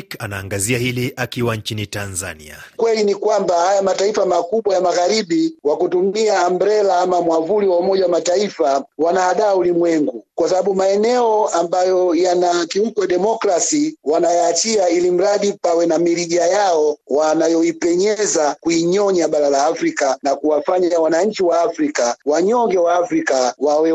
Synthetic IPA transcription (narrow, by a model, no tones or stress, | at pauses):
kanaːŋɡaziahiliakiwant͡ʃinitanza̰nḭa̰kwɛlinikwambahajamataifamakuɓwajamaɣaɾiɓiwakutumiaːmbɾɛlaamamwavuliwaumɔʄawamataifawanaaɗaːulimwɛŋɡukwasaɓaɓumaɛnɛɔambajɔjanakiukɔjaɗɛmɔkɾasiwanajaːt͡ʃiailim̩ɾaɗipawɛnamiɾiʄajaɔwanajɔipɛɲɛzakuiɲɔɲaɓaɾalaːfɾikanakuwafaɲaawanaɲ̩t͡ʃiwaːfɾikawaɲɔŋɡɛwaːfɾikawawɛ